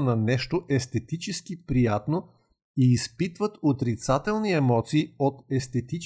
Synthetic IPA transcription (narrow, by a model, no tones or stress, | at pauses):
nɐnɛʃt̪oʔɛst̪ɛt̪it͡ʃɛsk̟ipɾijat̪no | iːspit̪vət̪ot̪ɾit̪sat̪ɛlˠniɛmɔt̪siːot̪ɛst̪ɛt̪it͡ʃ